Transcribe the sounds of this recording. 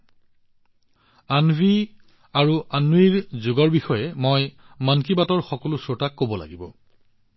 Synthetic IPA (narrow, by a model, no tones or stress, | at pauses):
anbʱi | aɹuanːuiɹzʊɡɔɹbixɔjɛmoj | mankibatɔɹxɔkɔlʊsɔɹtakːobɔla̰ɡibɔ̰